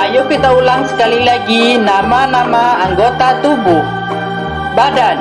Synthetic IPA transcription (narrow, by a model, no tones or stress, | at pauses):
ajʊkit̪aulaŋsə̥kalilaɡinamanamaːŋɡot̪at̪ubʊh | badan